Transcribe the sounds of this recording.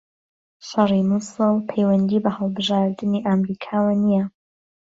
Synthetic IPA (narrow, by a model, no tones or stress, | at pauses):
ʃɑrimusɨlˠpʰejwɐnd̪iːbɐhəlˠbɨʒaːɾd̪ɨniʔamɾikʰaːwanijɐ